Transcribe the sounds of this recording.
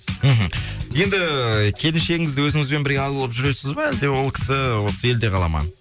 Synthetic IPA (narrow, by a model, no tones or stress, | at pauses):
m̩ɦm̩je̞nd̪ɪkʲʰe̞lɪnʃe̞ɡʲɪŋɪzd̪ɪwɵzɪŋɪzbe̞nbɪɾɡʲeɑllˠəpʒʏɾe̞sɪzbɑæld̪e̞wo̞lˠkʲʰɪ̥sɪwo̞səe̞ld̪e̞qʰɑlˠɑ̰mɑ̰n